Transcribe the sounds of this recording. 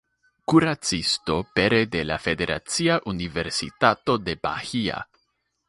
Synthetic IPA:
kuɾat͡sisto̞pe̞ɾe̞de̞lafe̞de̞ɾʔa̰t͡siaʔunive̞ɾsḭtato̞de̞ba̰hia̰

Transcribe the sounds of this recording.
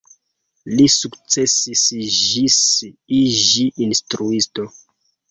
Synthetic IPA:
lisukt͡sesisiʒisiʒiʔinstɾuisto

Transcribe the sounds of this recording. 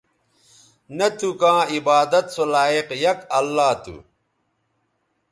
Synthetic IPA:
nɐt̪ukãːibaːd̪ɐt̪solaːiqjɐkɐlːaːt̪ṵ

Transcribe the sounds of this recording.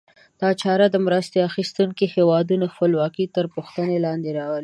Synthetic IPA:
d̪̥ɑt͡ʃɑɾad̪əmɾəst̪eaxist̪uŋkihewɑd̪unaxəlwɑkit̪əɾpuxt̪ənelɑnd̪eɾɑwəli

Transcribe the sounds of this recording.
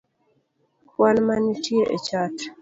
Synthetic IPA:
kwanmanitjeʔet͡ʃat

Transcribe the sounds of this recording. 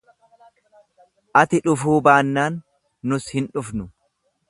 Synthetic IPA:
ʔɐt̪ɪᶑʊfuːbaːnːaːnː | ʊshɪnᶑʊfnʊ

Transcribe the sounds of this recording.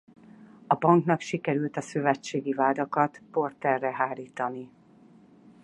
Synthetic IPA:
ɒbɒŋknɒkʃikɛɾylt̪ɒsøvɛt͡ʃːeːɡivaːd̪ɒkɒt̪po̞rt̪ɛrːɛɦaːliːt̪ɒni

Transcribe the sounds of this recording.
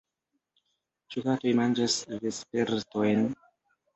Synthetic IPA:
t͡ʃukatojmand͡ʒasvespe̞ɾto̞jn

